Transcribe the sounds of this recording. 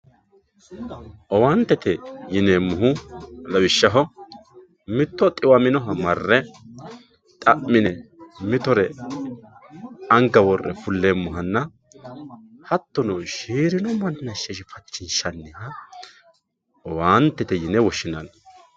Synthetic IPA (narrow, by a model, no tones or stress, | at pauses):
ʔɔwaːnt̪ːɛt̪ɛjɪneːmːʊɦʊlɐwɪʃːɐɦɔ | mɪt̪ːɔt̪ʼɪwɐmɪnɔɦɐmɐrːɛ | t̪ʼɐʔːɪnɛmɪt̪ɔɾɛ | ɐŋɡɐwɔrːɛ̰fʊlːeːmːʊɦɐnːɐ | hɐt̪ːɔnɔʃiːɾɪnɔmɐnːɐʃːɛʃɪfɐt͡ʃːɪnʃɐnːɪhɐ | ɔwaːnt̪ːɛt̪ɛjɪnɛwɔʃːɪnɐn